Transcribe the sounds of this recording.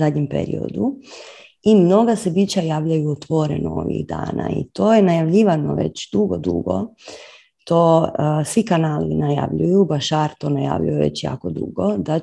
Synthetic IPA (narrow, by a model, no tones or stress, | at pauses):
adɲempḛɾḭo̞̰d̪u | imno̞ɡase̞bit͡ɕajaːʋʎajuot̪ʋo̞ɾḛnoo̰ʋḭɣd̪a̰ːna̰ḭt̪o̞ːjenajaʋʎiːʋanoʋḛt͡ɕd̪uɡod̪ṵɡo̞̰ | t̪oːsʋikanaːlinaja̰ʋʎujubaʃaɾt̪onaja̰ʋʎṵjeʋḛt͡ɕja̰ːkod̪ṵɡod̪a